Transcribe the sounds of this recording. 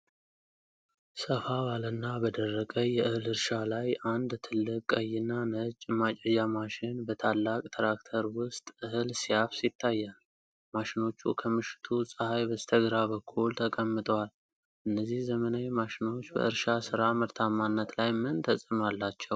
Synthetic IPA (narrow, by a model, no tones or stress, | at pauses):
səfaβalənːabəd̪ərːəkʼəjɛʔɨhɨlɨɾʃalajʔand̪t̪ʰɨlːɨkʼːəjːɪnːanət͡ʃʼːmat͡ʃʼɛd͡ʒamaʃɪnbət̪ʰalːakʼt̪ʰəɾakt̪ʰəɾwʊst̪ʼʔɨhɨlsijafsit̪ʰːajːal | maʃɪno̞t͡ʃːṵkʰəmɨʃɪ̥t̪ʰusʼɨhajbəst̪ʰəɡɾaβəkʰːult̪ʰəkʼəmːɨt̪ʼəwal | ʔɨnːəzihzəmənajmaʃɪno̞t͡ʃːbə̰ʔɨɾʃasɨɾaməɾt̪ʰamːanːət̪lajmɨnt̪ʰəsʼɨmalːat͡ʃːɛw